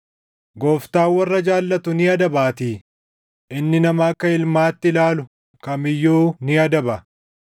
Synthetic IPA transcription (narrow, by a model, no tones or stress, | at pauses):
ɡoːft̪aːwɐrːɐd͡ʒaːlːɐt̪ʊnɪɐd̪ɐbaːt̪iː | ʔɪnːɪnɐmɐːkːɐɪlmaːt̪ːɪlaːlʊ | kɐmɪjːuːnɪɐd̪ɐbɐ